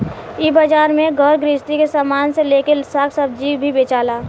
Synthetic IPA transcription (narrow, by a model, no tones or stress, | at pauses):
ibəd͡ʒaːɾmẽɡʱəɾɡɾɪst̪ikesaːmaːnseleːkelɪsaːksəb̚d͡ʒiːbʱibeːt͡ʃaːlaː